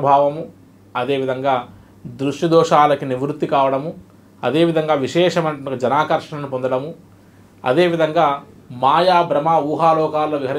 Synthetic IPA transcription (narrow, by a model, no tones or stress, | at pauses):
bʱaːʋɐmu | ɐd̪eːʋid̪ʱɐŋɡaː | d̪ɾuʂʈid̪ɔːʃaːlɐkiniʋɾut̪ːikaːʋɐɽɐmu | ɐ̰d̪e̞ːʋid̪ʱɐŋɡaːʋiʃɛːʃɐmɐnɐɐkːɐd͡ʒɐnaːkɐɾʂɐɳɐnupond̪ɐɽɐmu | ɐ̰d̪e̞ːʋid̪ʱɐŋɡaː | maːjaːbɾɐmaːuːɦaːlɔːkaːlːoːʋiɦɐɾ